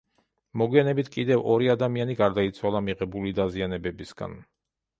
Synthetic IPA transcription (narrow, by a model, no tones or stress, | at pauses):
mɔɡwianɛbit̪ʰkʼid̪ɛvɔɾiad̪amianiɡaɾd̪ait̪sʰwalˠamiʁɛbulid̪azianɛbɛbisɡ̥a̰n